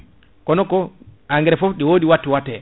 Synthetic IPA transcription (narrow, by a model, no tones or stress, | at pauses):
kɔnɔkɔaŋɡɛɾɛfofɗiwodiwatːiwatːɛ